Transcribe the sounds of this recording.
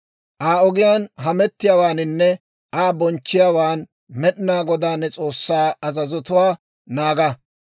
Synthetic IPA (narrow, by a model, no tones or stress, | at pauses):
ʔaːɔɡɪjaːnɦɐmɛt̪ːɪjaːwaːnɪnːɛ | ʔaːbɔnt͡ʃːɪjaːwaːn | mɛɗɪnaːɡɔd̪aːnːɛt͡sʼo̞ːsːaːɐzɐzɔt̪ʊwaː | naːɡɐ